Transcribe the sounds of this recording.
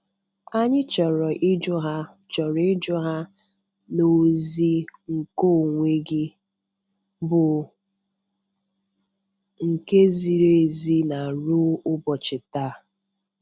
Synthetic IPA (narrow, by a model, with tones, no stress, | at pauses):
a˦ɲɪ˦t͡ʃɔ˨ɾɔ˨ʔɪ˦d͡ʒʊ˦ɦa˦ | t͡ʃɔ˨ɾɔ˨ɪ˦d͡ʒɔ˦ɦa˦ | no˨zi˦ŋ̩˨ko˦˨ŋʷe˦ɡɪ˦ | bʊ˨ | ŋ̩˨ke˦zi˨ɾe˨zi˦na˨ɾu˦ʊ˦bɔ˨t͡ʃɪ˨ta˦˨